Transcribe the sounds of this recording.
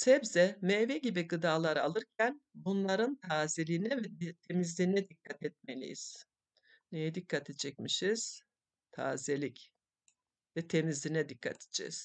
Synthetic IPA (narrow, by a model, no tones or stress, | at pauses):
sɛbzɛmɛvɛɟibiɡɯd̪aːlˠaɾalˠɯɾcʰænbunlˠaɾɯnt̪ʰaːzelʲinɛvɛt̪ʰe̞mizlʲiːnɛd̪ikʰːat̪ʰɛt̪̚melʲḭjḭz̥ | nejɛd̪ikʰːat̪ʰed͡ʒɛc̚miʃiz̥ | t̪ʰa̰ːzelʲic | vɛt̪ʰe̞mizlʲinɛd̪ikʰːa̰t̪ʰe̥d͡ʒɛ̰z̥